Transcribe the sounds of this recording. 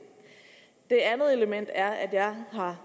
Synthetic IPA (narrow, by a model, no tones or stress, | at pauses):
d̥e̝ænð̞̩ˠe̝ləmen̰d̥æɐæd̥jɑ̈ɪɦɑ̈